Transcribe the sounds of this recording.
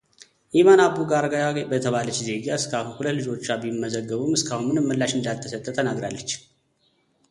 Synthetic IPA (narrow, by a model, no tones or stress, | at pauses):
ʔimanabuɡaɾɡajaɡebət̪ʰəβalət͡ʃːze̞ɡaɨskʰahulət̪lɨd͡ʒo̞t͡ʃːabimːəzəɡːəβumɨskʰahunmɨnɨmːəlːaʃɨnd̪alt̪ʰəsət̪ʼːət̪ʰənaɡɾa̰lːət͡ʃː